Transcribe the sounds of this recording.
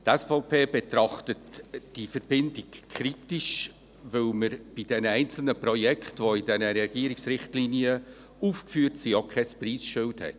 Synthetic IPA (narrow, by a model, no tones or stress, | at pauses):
tɛsfɔʊpʰeːb̥etɾɑχtətd̥ifəɾb̥ɪndɪkʰɾitiʃ | ʋɪlməɾb̥id̥ɛnəɛɪnt͡sl̩nəpɾɔjɛkχtvoidɛnəɾɛɡ̥iːəɾiksɾɪχtliniə | ufkfyːəɾtsijokʰχɛspriːsʃʏlthɛ̰t